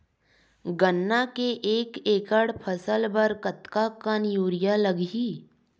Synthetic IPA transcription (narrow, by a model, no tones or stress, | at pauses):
ɡənːakeʔeːkeːkəɽpʰəsəlbəɾkət̪kakənjuːɾɪjaləɡiː